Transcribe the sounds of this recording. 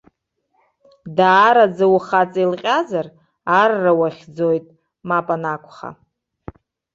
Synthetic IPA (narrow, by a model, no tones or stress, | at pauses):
daːɾad͡zawuχat͡sʼajlqʲʼazar | arːawaχʲd͡zojtʼ | mapʼanakʷʰʼχa̰